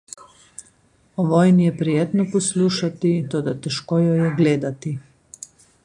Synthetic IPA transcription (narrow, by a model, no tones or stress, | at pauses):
ɔʋɔːjnijɛpɾɛjeːt̪nɔpɔsluːʃat̪it̪oːd̪at̪ɛʃkoːjɔjɛɡleːd̪at̪i